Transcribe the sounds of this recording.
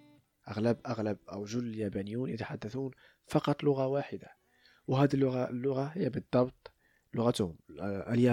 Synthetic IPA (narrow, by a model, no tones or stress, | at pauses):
ʔaɣlæbʔaɣlæb̚ʔæwʒʊlːəljæbænəjːuːnjət̪aħad̪ːæθuːn | fɑqɑt̪ˤlʊɣawaħəd̪a | wɦæd̪əlːʊɣalːʊɣahəjːæbəd̪ˤːɑbt̪ˤ | lʊɣat̪hʊmʔæljæ